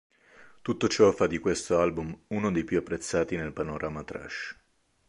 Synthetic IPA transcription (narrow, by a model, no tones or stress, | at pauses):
t̪ut̪ːot͡ʃɔfad̪ikwest̪oalbumunod̪ejpjuapːɾet̪sːaːt̪inelpanoɾʔamat̪ɾa̰ʃ